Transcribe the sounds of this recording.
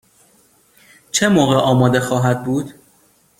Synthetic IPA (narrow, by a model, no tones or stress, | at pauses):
t͡ʃʰe̞moːɣeʔɒːmɒːd̪e̞xɒːɦæd̪̚buːd̪̥